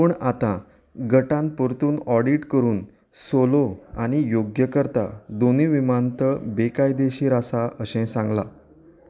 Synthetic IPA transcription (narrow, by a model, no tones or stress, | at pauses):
uɳat̪ã | ɡəʈãnpuɾt̪uːnɔɽiʈkəɾuːn | soloaɽ̃ijoɡjəkəɾt̪a̰d̪oniːʋimant̪əɭbekajd̪eɕiːɾasaəɕɛ̃sãŋɡla